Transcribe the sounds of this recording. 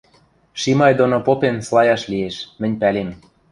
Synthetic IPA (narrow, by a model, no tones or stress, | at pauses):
ʃimɑjd̪onopopenslˠɑjɑʃlijeʃmɘ̆nʲpælem